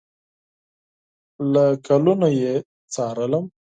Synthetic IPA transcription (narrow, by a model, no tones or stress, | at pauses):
lakʰalunaje | t͡sɑɾələm